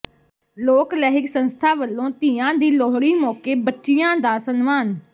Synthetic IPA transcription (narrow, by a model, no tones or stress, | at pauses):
loːklɛːɦɪksənst̪ʰaːʋəlːõːt̪iːãːd̪iːlɔːɦɽiːmɔːkeːbətːʃɪjãːd̪aːsənmaːn